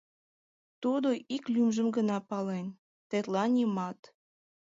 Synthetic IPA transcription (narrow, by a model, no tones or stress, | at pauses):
t̪ud̪oiklymʒəmɡənɑpɑlen | t̪et̪lɑnʲimɑt̪